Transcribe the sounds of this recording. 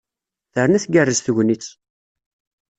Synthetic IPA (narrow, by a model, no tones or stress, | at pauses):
θəɾnæθɡərːəzθəʝnit͡sː